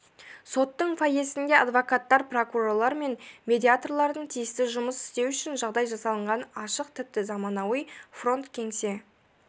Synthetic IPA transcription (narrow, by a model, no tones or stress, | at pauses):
so̞t̪ːəɴfaje̞sɪnd̪e̞ad̪vo̞kat̪ːɑɾpro̞kuro̞lˠɑɾme̞nmʲe̞d̪ʲiat̪o̞rlˠɑɾd̪əɴt̪ʰijɪst̪ɪʒʊməsɪ̥st̪ewʏʃɪnʒɑʁd̪ɑjʒɑsɑlˠəɴʁɑnɑʃəq̚t̪ʰɪp̚t̪ɪzɑmɑnɑwəjfro̞nt̪kʲʰe̞ŋse̞